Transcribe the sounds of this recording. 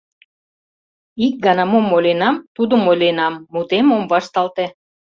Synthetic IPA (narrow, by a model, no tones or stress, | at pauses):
ik̚ɡɑnɑmomːolʲenɑmt̪ud̪ə̆mojlʲenɑmːut̪emomβɑʃt̪ɑlt̪ĕ